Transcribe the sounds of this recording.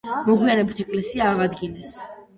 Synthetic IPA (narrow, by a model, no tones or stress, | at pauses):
mɔɡwianɛbit̪ʰɛkʼlɛsiaːʁad̪ɡinɛs